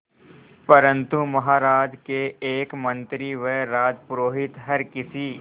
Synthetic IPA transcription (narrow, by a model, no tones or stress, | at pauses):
pɐɾə̃nt̪umɐɦaːɾaːd͡ʒkeeːkmɐ̃nt̪ɾiʋeɾaːd̪pɾoːɦɪt̪ɦɐɾkɪsiː